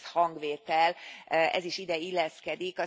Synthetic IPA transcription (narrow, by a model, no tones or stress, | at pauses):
shɒŋɡʋeːt̪ɛlɛ̰ziʃid̪ɛilːɛskɛd̪ikɒ